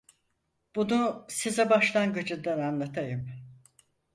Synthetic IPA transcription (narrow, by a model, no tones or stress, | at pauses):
b̥unusizɛbaʃlˠaŋɡɯd͡ʒɯnd̪ananlˠat̪ʰajɯm